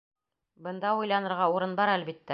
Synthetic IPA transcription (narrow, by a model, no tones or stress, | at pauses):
bɤ̆nd̪ɑujlˠɑnɤ̆ɾʁɑuɾɤnbɑɾælbit̪ːæ